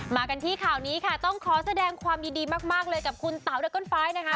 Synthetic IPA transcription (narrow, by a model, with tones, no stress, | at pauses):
maː˧ka˧nt̪ʰiː˥˩kʰaː˨˩wniː˦˥kʰa˥˩t̪ɔ˥˩ŋkʰɔː˩˦sa˧dɛː˧ŋkʰwaː˧mjiː˧diː˧maː˥˩k̚maː˥˩k̚lɤː˧jka˨˩p̚kʰu˧nt̪a˩˦wɾa˦˧kːɔː˥˩nfaː˦˥jna˦˥kʰa˦˥